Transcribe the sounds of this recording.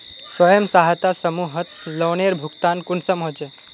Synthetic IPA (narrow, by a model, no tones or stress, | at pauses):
sʋəjəmsaɦat̪asəmuːɦət̪ləwɳeɾbʱukt̪ankunsəmɦod͡ʒe